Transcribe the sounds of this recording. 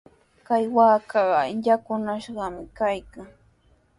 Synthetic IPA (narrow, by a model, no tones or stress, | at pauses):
kajwaːkɑɢɑʎakʊnaʃɢɑmɪkajkaŋ